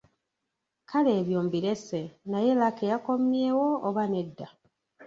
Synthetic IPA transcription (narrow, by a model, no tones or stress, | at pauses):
kʰale̞ːβjoːmbiɾe̞se̞naje̞lakejako̞mjeːwo̞ːβane̞dːa